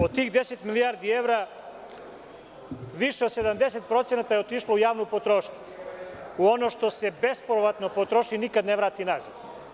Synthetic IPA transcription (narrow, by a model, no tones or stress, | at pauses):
ot̪ːiːxd̪eset̪milijaɾd̪ieʋɾa | ʋiʃeose̞d̪amd̪eset̪pɾo̞t̪senat̪ajeot̪iʃloujaːʋnopot̪ɾoːʃɲu | uo̞noʃt̪o̞sebe̞spoɾoʋat̪nopot̪ɾoʃinikad̪neʋɾaːt̪inaziʋ